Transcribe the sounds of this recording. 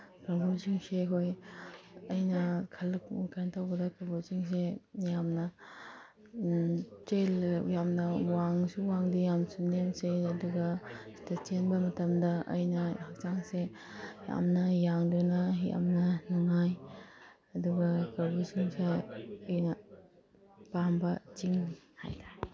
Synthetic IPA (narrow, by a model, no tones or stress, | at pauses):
kabusiŋsekʰoj | ɐjnɐkʰɐlkkantawɡɐdɐkabusiŋsejamnɐ | t͡ʃeljamnɐwaŋsuwaŋdijamsunemseɐduɡɐsi̥tɐt͡ʃenbɐmɐtɐmdɐʔə̰jnɐhak̚t͡ʃaŋse | hia̰mnɐjaŋdunɐɦiʔa̰mnɐnuŋaj | ɐduɡɐkɐbusiŋseːjnɐ | pambɐt͡ʃiŋniha̰jdḁ